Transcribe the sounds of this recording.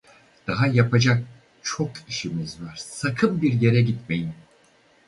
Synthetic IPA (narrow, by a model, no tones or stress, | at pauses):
d̪̥aɦajapʰad͡ʒak̚ | t͡ʃʰo̞kʰiʃimizvaɾ̥sakʰɯmbiɾje̞ɾɛɟit̪me̞jim